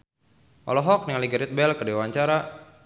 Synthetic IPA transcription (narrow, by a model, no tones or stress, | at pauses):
ʔɔ̰lɔɦɔk̚niŋliɡəɾit̪̚bɛlkədewaɲt͡ʃaɾa